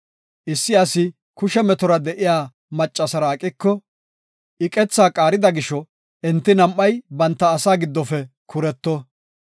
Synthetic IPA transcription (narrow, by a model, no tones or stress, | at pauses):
ʔɪsːɪɐsɪ | kʊʃɛmɛt̪ɔɾɐd̪ɛʔɪjaː | mɐt͡ʃʼːɐsɐɾaːkʼɪkːɔ | ʔɪkʼɛt͡sːaːkʼaːɾɪd̪ɐɡɪʃɔ | ʔɛnt̪ːɪnɐmʔːɐjbɐnt̪ːɐːsaːɡɪd̪ːɔfɛ | kʰʊɾɛt̪ːɔ